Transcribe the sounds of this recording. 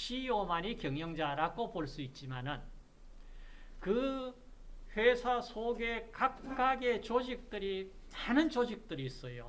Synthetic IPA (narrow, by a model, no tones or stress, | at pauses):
ɕiomaɲikjʌŋjʌŋd͡ʑaɾaɡopoɭs͈uit̚t͡ɕ͈imanɯn | kɯ | ɸwesʰasʰoɡe̞kap̚k͈aɡe̞t͡ɕod͡ʑik̚t͈ɯɾi | manɯnt͡ɕod͡ʑik̚t͈ɯɾiːs͈ʌjo